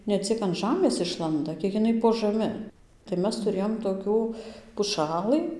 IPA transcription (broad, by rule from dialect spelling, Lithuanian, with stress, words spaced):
nʲɛ ˈt͡sʲiɛk ɐn ˈʒɑːmʲeːs ˈɪʃlˠɐndɐ ˈkʲiɛk ɪˈnɐɪ poː ʒɐˈmʲɪ tɐɪ ˈmʲɛs tʊˈrʲeːjoːm toːˈkʲuː pʊˈʃɑːlˠɨ